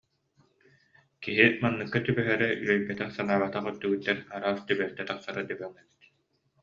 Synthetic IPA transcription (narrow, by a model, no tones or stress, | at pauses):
kiɦimanːɯkːat̪ybœɦɛɾɛʔyɾœjpːɛt̪ɛχsanaːβat̪aχœt̪ːɯɡɯt̪ːɛnaɾaːst̪ybɛɾt̪ɛt̪aqsaɾɯd̪ɛbœŋɛbi̥t̪̚